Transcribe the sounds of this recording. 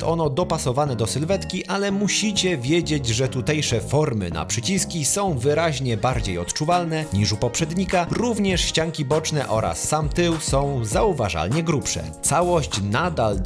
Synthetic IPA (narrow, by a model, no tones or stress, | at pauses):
t̪ɔnɔd̪ɔpasɔvanɛd̪ɔsɘlvɛt̪kʲiʔalɛmuɕit͡ɕɛvʲjɛd͡ʑed͡ʑʐɛt̪ut̪ɛjʂɛfɔɾmɘ̰na̰pʂɘt͡ɕiskʲisɔ̃w̃vɘɾaʑɲɛbaɾd͡ʑejɔt̪t͡ʂuvalnɛɲiʂupɔpʂɛd̪ɲikaɾuvɲɛʂɕt͡ɕaŋkʲibɔt͡ʂnɛʔɔɾa̰sːamt̪ɘwsɔ̃w̃zauva̰ʐa̰lɲɛɡɾupʂɛ̰t̪sawɔɕt͡ɕnad̪al